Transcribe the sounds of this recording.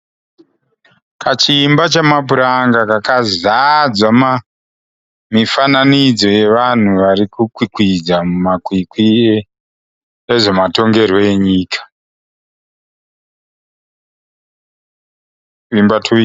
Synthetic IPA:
kʰat͡ʃiːmbat͡ʃamapuɾaŋɡakakazad͡zwama | mifananid͡zo̞je̞ʋan̤uʋaɾikukwikwid͡zamumakwikwi | eʐe̞mato̞ŋɡe̞rwo̞je̞ɲiːkḁ | imbatʰu

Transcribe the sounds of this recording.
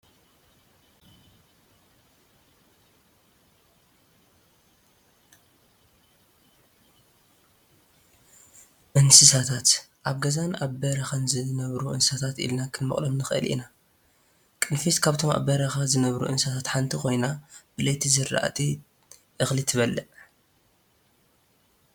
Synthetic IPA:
ʔɨnsɨsat̪ʰat̪ʔaβɡɐzanʔabɐɾɐxɐnzɨnɐβɾuʔɨnsat̪ʰat̪ḭlnakʰɨnmɨχʼlɐmnɨxʔɨ̰lʔḭna | kʼɨnfiskʰaβt̪ʰo̞mʔa̰bɐɾɐxazɨnɐβɾṵʔɨnsat̪ʰat̪ħant̪ʰiko̞jnab̥ɨlet̪ʰizɨɾ̰ʔa̰t̪ʰʼi | ʔɨxlit̪ʰɨβɐlːɐʔ

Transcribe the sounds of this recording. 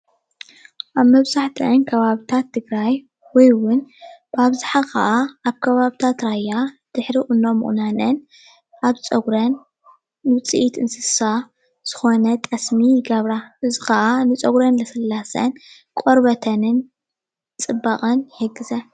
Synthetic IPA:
ʔaβmɐβzaħt̪ʰɨʔɨnkʰɐβaβit̪ʰat̪ʰːɨɡɾaj | wɔjwʊnb̥aβzaħaxɐ̰ʔaaβkʰɐβaβit̪ʰat̪ɾajːad̪̥ɨħɾiʔʼʊnːomːɨ̰χʼnanɨn | ʔaβt͡sʼɐɡɾɐnː | ɨɨt͡sʼɨ̰ʔit̪ɨnsɨsa | z̥ɨxonɐt̪ʼɐsmiɡɐβɾaʔɨzixɐʔanɨt͡sʼɐɡɾɐnlɐsɨlːasɐ̰n | kʼoɾbɐt̪ʰɐnɨn | t͡sʼɨbːaχʼɨnheɡɨzɐ

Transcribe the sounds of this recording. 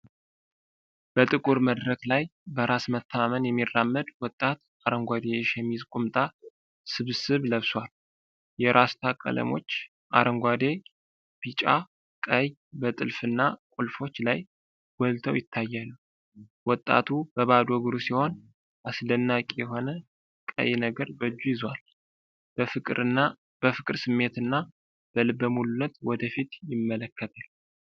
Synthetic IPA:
b̥ət̪ʼɨkʼuɾməd̪ɾəklajbəɾasmət̪ʰːəmamənjɛmːirːamːəd̪wɔt̪ʼːat̪ | aɾəŋɡʷad̪eʃɛmːizkʼumt̪ʼa | sɨβsɨβləβswal | jɛɾʔast̪ʰakʼə̰lə̰mo̞̰t͡ʃː | ʔa̰ɾəŋɡʷad̪e | b̥it͡ʃʼa | kʼəj | bət̪ʼɨlfɨnːakʼulfo̞t͡ʃːlaj | w̥ɔlt̪ʰəwjɪt̪ʰːajːanːəw | wɔt̪ʼːa̰t̪ʰub̥əβad̪ɔɡɨɾusiho̞n | ʔasd̪ənːakʼijɛɦo̞nə | kʼə̰jnəɡəɾbəd͡ʒːujɪzwal | bfɨɾ | b̥əfɨkʼɾsɨmːe̞t̪ɨnːa | b̥əlɨbəmulunːət̪wɔd̪əfit̪jɪmːələkʰːət̪ʰal

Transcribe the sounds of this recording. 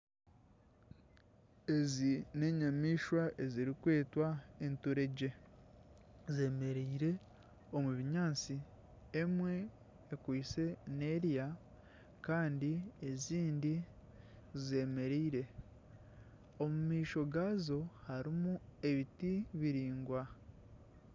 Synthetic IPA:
e̞zine̞ɲamiːʃwaʔe̞ziɾikwe̞ːtwaentuɾe̞ɟe̞ | ze̞me̞ɾeiɾe̞ | o̞muβiɲaːnt͡si | emwe̞ː | kwiːse̞ne̞ɾja | kaːndieziːndi | zze̞ːme̞ɾeiɾe̞ | o̞mumiːʃo̞ɡaːzo̞haɾimue̞βitiβiɾiːŋɡwa

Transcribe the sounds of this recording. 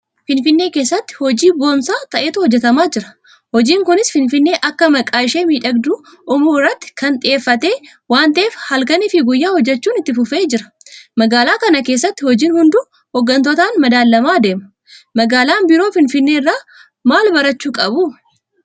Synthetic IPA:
fɪnfɪnːe̞ːkeːsːɐt̪ːɪ̥hɔd͡ʒiːbo̞ːmsaːt̪ɐʔeːt̪ʊhɔd͡ʒːɛt̪ɐmaːd͡ʒɪɾɐ̥ | hɔd͡ʒiːŋkʊnɪsfɪnfɪnːe̞ːʔɐkːɐmɐkʼaːɪʃeːmiːᶑɐɡd̪uː | ʔʊmuːɪrːɐt̪ːɪ̥kɐnt̪ʼɪʔe̞ːfːɐt̪e̞ː | waːnt̪ɐʔeːfhɐlkɐnɪfɪɡʊjːaːhɔd͡ʒːɛt͡ʃːuːnɪt̪ːɪfʊfe̞ːd͡ʒɪɾɐ̥ | mɐɡaːlaːkɐnɐke̞ːsːɐt̪ːɪhɔd͡ʒiːnhʊnd̪u | hɔɡːɐnt̪ɔt̪aːnmɐd̪aːlːɐmaːd̪e̞ːmɐ̥ | mɐɡaːlaːnbɪɾo̞ːfɪnfɪnːe̞ːɪrːaː | maːlbɐɾɐt͡ʃːuːkʼɐbuː

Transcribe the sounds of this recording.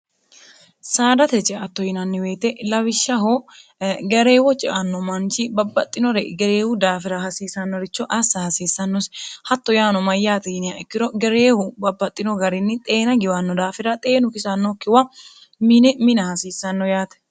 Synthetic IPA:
saːd̪ɐt̪ɛt͡ʃːɛɐt̪ːɔjɪnɐnːɪwe̞ːt̪ɛlɐβɪʃːɐɦo | ɡɛɾeːwɔt͡ʃʼɪʔɐnːɔmɐnt͡ʃɪbɐbːɐt̪ʼːɪnɔɾɛɡɛɾeːhʊd̪aːfɪɾɐhɐsiːsɐnːɔɾɪt͡ʃːɔʔɐsːɐhɐsiːsːɐnːɔshɐt̪ːɔjaːnɔmɐjːaːt̪ɛɪnɪjaɛkːɪɾɔɡɛɾeːhʊbɐbːɐt̪ʼːɪnɔɡɐɾɪnːɪt̪ʼe̞ːnɐɡɪwɐnːɔd̪aːfɪɾɐt̪ʼe̞ːnʊkɪsɐnːɔkːɪwɐ | mɪnɛmɪnɐhɐsiːsːɐnːɔjaːt̪ɛ̥

